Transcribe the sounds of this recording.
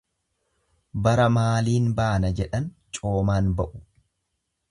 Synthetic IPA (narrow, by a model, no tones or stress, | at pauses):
bɐɾɐmaːliːnbaːnɐd͡ʒɛᶑɐnt͡ʃʼo̞ːmaːnbɐʔʊ̥